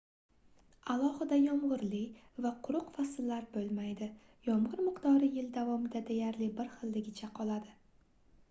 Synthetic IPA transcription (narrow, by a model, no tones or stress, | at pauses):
alˠɒhɪd̪ajɒmʁʊɾlɪvaqʰʊɾʊqfasɪlːaɾbolˠmajd̪ɪ | jɒmʁɨɾmɪqt̪ɒɾɪjɪld̪avɒmɪd̪ad̪e̞jaɾlɪbɪɾχɨlːɪɡʲɪt͡ʃʰaqʰɒlˠad̪ɪ